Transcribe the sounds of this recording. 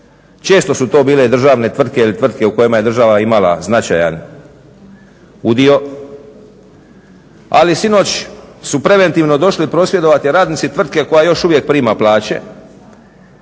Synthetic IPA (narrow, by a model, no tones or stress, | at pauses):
t͡ʃe̞ːst̪o̞sut̪o̞ːbiːle̞d̪r̩ʒaːʋne̞t̪ʋr̩d̪̚ke̞ilit̪ʋrd̪̚ke̞uko̞jimaje̞d̪ɾrʒaʋaimala̰znat͡ʃa̰ja̰n | ud̪io̞ | a̰lisino̞t͡ɕsupɾe̞ʋe̞nt̪iːʋno̞d̪o̞ʃlipɾo̞sʋje̞d̪o̞ʋat̪iɾaːd̪nit̪sit̪ʋr̩d̪̚ke̞ko̞jajo̞ʃuʋje̞k̚pɾiːmaplaːt͡ɕe̞̰